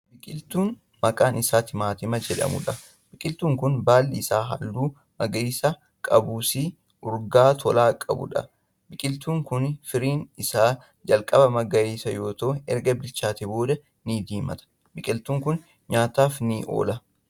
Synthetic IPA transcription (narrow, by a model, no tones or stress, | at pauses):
bɪkʼɪlt̪uːn | mɐkʼaːnɪsaːt̪ɪmaːt̪ɪmɐd͡ʒɛᶑɐ̰mʊ̰ᶑɐ | bɪkʼɪlt̪uːŋkʊnbaːlːɪsaːɦɐ̰lːuː | mɐɡɐeːsa | kʼɐbuːsi | ʔʊɾɡaːt̪ʰɔlaːkʼɐ̰bʊ̰ᶑɐ̰ | bɪkʼɪlt̪uːŋkʊnfɪɾiːnɪsaː | d͡ʒɐlkʼɐbɐmɐɡɐeːsɐjo̞ːt̪oːɛɾɡɐbɪlt͡ʃaːt̪ɪbo̞ːd̪ɐ | nid̪iːmɐ̰t̪ɐ̥ | bɪkʼɪlt̪uːŋkʊn | ɲaːt̪aːfnɪʔo̰ːlɐ